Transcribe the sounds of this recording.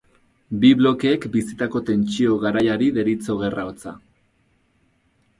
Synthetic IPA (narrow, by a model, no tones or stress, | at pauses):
biβlo̞keːkbisit̪ako̞t̪e̞nt͡ʃio̞ɣaɾajaɾiðe̞ɾit͡so̞ɣ̞e̞raot͡sa̰